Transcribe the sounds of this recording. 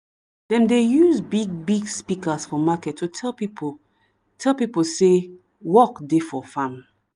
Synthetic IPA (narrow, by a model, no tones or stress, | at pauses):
dɛ̃ndejuzbiɡ̚biɡspikəsfɔmakɛtʰːutʰɛlpip | tʰɛlˠpipose | wɔkdefɔfãm